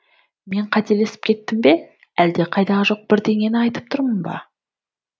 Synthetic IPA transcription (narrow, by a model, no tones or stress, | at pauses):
me̞ɴqʰɑt̪e̞le̞sɪ̥p̚kʲʰe̞t̪ːɪmbe̞ | æld̪e̞qʰɑjd̪ɑʁʒo̞q̚b̥ɪɾd̪e̞ŋʲe̞nɪɑjt̪əp̚t̪ʰʊɾmənbɑ̰